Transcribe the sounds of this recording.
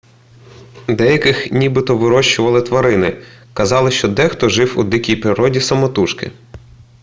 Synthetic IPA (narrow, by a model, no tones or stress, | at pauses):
d̪ɛjɐkɪxnʲibɪt̪ɔʋɪɾɔʃt͡ʃʊʋɐlˠɪt̪ʋɐɾɪnɪ | kɐzɑlˠɪʃt͡ʃɔd̪ɛxt̪ɔʒɪwud̪ikʲijpɾɪɾɔdʲisɐmɔt̪uʃkɪ̰